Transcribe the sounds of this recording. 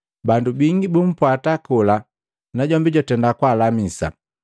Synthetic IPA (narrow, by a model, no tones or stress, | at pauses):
bandubiŋɡibum̩pwatakula | naɟɔmbiɟɔtɛndakwaːlamisa̰